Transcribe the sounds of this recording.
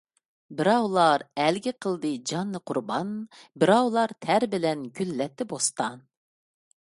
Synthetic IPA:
bɪɾɑwlˠɑɾɛlɡʲiqʰəlˠd̪ɨd͡ʒɑnːɨqʰʊɾbɑnbɪɾɑwlˠɑɾt̪ʰæɾbɪlɛnɡʲylːɛt̪ʰːɪbost̪ɑn

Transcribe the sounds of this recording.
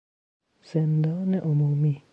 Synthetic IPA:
sɛnd̪anɛʔomomi

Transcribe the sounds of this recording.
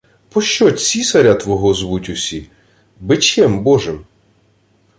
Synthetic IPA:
pɔʃt͡ʃɔsʲisɐɾʲat̪ʋɔɦɔzʋutʲʊsʲi | bɪt͡ʃɛmbɔʒɪm

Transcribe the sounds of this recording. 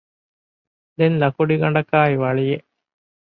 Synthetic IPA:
d̪enlɐkuɖiɡɐɳɖɐkaːiʋɐɭijeʔ

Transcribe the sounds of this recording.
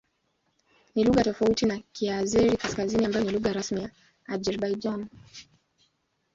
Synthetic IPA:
niluɣatɔfautinakʰiazɛɾikaskaziniambajɔniluɣaɾasmija | ad͡ʒɛɾɓajd͡ʒan

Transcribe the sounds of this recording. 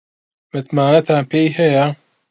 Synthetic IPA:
mɨt̪maːnɐt̪ʰaːnpʰeːjɦɛjɐ

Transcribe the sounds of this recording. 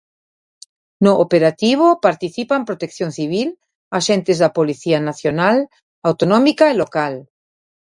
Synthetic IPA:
noʔopeɾat̪iβ̞opaɾt̪iθipampɾot̪ekθjõnθiβ̞il | aʃent̪ezðapoliθianaθjonal | awt̪onɔ̃mikaelokal

